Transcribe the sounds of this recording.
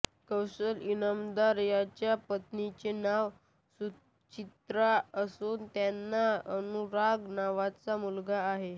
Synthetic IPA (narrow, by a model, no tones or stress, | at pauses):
kəwsəlinamd̪aɾjat͡ɕjapət̪nit͡ɕenaʋ | su | t͡ɕit̪ɾaəsuːnt̪janːaənuɾaɡnaʋat͡samulɡaːɦe